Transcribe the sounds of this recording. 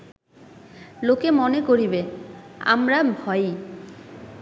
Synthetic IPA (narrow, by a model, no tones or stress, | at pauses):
lokemonekoɾibea̰mɾabʱɔj